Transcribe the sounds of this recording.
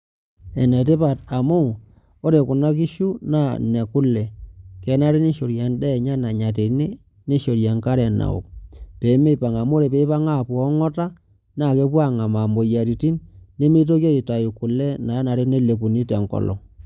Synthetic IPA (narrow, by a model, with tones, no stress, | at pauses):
ɛ˨nɛ˨t̬e˦pa˨ta˨mu˦ | o˦ɾe˨ku˨na˦ki˦ʃu˦na˦˨nɛ˨ku˦lɛ˨kɛ˨˦na˦ɾe˦ni˦ʃo˨ɾja˨ndɛ˦˨ɲa˦na˨ɲa˨t̬e˨˦ne˦ | ne˦ʃo˨ɾja˨ŋka˦ɾɛ˨na̰˨ṵ˨k̚pe˨˦me˦pa˨ŋa˨mu˦ɾe˨pe˦pa˦ŋa˦˨pɔ˦ŋɔ˦ta˦ | na˦˨ke˦pwa˦˨ŋa˨ma˨mbo˨ja˨ɾi˨ti˦nːe˦mi˦t̬o˦kje˦i˨ta˨ju˨ku˨lɛ˦na˨˦na˨ɾe˦ne˦le˨pu˨ni˦tɛ˨ŋkɔ̰˨lɔ̰˨